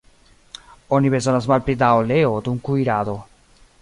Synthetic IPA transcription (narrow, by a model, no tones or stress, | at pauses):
ɔnipezɔnazmalpɾid̪aoleod̪uŋkuiɾaðo